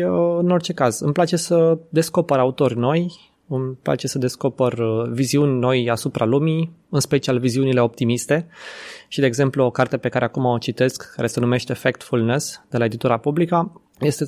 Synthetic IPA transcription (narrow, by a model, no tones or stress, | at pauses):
ɨno̞rt͡ʃe̞kazɨmplat͡ʃe̞səd̪e̞sko̞pəɾaut̪o̞rʲno̞j | ɨmpla̰t͡ʃe̞səd̪e̞sko̞pərviziunʲno̞jasupɾʔalumiɨnspe̞t͡ʃialviziunile̞o̞p̚t̪imist̪e̞ʃid̪eːɡze̞mpluo̞kart̪epe̞kaɾe̞akumoot͡ʃit̪e̞skːaɾe̞se̞nume̞ʃt̪efek̚t̪fulnesd̪elae̞d̪it̪uɾapublika | je̞st̪e